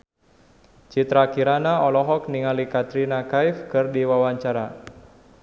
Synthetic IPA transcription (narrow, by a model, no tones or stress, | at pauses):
t͡ʃit̪ɾakiɾanaɔlɔɦɔk̚niŋalikat̪ɾinakaifkɨrdiwawaɲt͡ʃaɾa